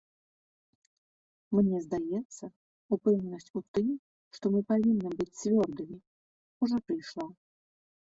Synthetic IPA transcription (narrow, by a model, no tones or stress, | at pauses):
mnʲɛzd̪ajɛt̪sːɐ | upɛwnʲnɐsʲt͡sʲut̪ɨm | ʂt̪ɔmɨpavʲinːɨbɨt͡sʲt͡svʲɔrd̪ɨmʲi | uʐɔpɾɨjʂlˠa